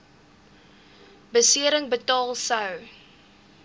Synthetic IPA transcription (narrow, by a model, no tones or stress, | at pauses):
bəsiəɾəŋbətɑːlˠsɐw